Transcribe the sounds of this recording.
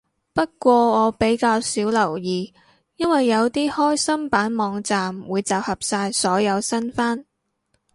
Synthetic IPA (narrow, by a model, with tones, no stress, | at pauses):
pɐ˥t̚kʷɔː˧ŋɔː˨˧pe˨˥jkaː˧wsiː˨˥wlɐ˨˩wjiː˨ | jɐ˥nwɐ˨jːɐ˨˧wt̪iː˥hɔː˥jsɐ˥mpaː˨˥nmɔː˨˧ŋt͡saː˨mwuː˨˧jt͡saː˨w̚hɐ˨p̚saː˧jsɔː˨˥jɐ˨˧wsɐ˥nfaː˥n